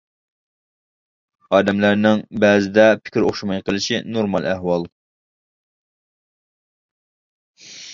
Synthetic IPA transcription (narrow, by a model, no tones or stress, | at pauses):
ɑːd̪ɛmlæɾnɪŋbɛːzɪd̪ɛpʰɪ̥kʲiɾoχʃumɑjqəlˠɪʃinoɾmɑlˠæhwɑlˠ